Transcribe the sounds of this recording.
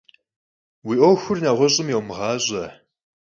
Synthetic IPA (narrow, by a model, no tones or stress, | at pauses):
wiːʔowxʊrnaʁʷɔɕʼɪmjɛwmʁɑːɕʼɐ